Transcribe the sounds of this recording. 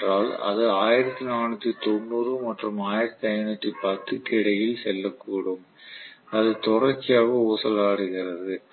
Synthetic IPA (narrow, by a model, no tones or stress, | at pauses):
raːlɐ̰ðɯaːjɪɾɐt̪ːinaːnɯt̪ːit̪ɔnːuːrɯmɐʈrɯmaːjɪɾɐt̪ːiɐɪnɯt̪ːipɐt̪ːɯkɪɽɐjɪlsɛlːɐkːuːɽɯm | ɐðɯt̪ɔrɐt͡ʃːɪjaːɣɐoːsɐlaːɽɯɣɪrɐðɯ